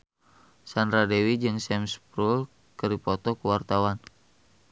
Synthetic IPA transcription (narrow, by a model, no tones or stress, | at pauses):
sandɾadewid͡ʒɨŋsɛmspɾul | kɨɾipɔt̪ɔkuwart̪awan